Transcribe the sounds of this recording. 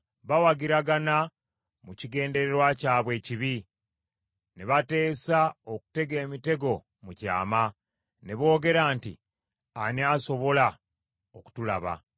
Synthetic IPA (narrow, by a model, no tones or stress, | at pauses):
βawaɡiɾaɡana | muciɡe̞ːnde̞ɾeɾwacaːβwe̞ːciβi | neβate̞ːsaoku̥te̞ɡe̞ːmite̞ɡo̞ | muca̰ːma | ne̞βo̞ːɡe̞ɾaːntḭ | aniaso̞βo̞la | oku̥tula̰βa̰